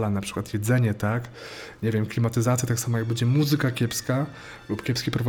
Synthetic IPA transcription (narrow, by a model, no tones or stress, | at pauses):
lanapʂɘ̥kwat̪jɛd̪zɛɲɛt̪ak | ɲɛvʲjɛmklʲimat̪ɘzat̪sʲjat̪aksamɔjaɡ̚bɛd͡ʑɛmuzɘkakʲɛpska | lupkʲɛpskʲipɾɔva